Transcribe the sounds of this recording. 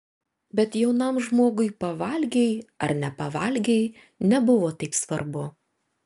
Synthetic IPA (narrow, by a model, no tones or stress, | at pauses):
bʲɛt̪jɛʊnɐmʒmoːɡʊɪpɐʋɐlʲɡʲɛjɐɾnʲɛpɐʋɐlʲɡʲɛj | nʲɛbʊʋoːt̪ɐɪpsʋɐɾbʊ